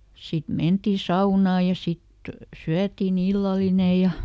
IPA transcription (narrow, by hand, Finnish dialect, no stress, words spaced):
sit mentiˑ sɑunɑː jɑ sit syætiːn ilːɑline jɑ